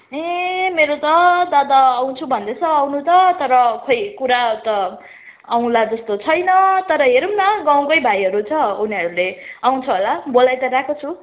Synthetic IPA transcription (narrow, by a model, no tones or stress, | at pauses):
emeɾot̪ʌd̪ad̪aːw̃t͡sʰubʱʌnd̪et͡sʰʌawnut̪ʌt̪ʌɾʌkʰʌjkuɾat̪ʌ | aw̃lad͡zʌst̪ot͡sʰʌjnʌt̪ʌɾʌɦeɾumnʌɡaw̃kʌjbʱajɦʌɾut͡sʰʌuniʌɾuleaw̃t͡sʰʌɦolabolajt̪ʌɾakot͡sʰu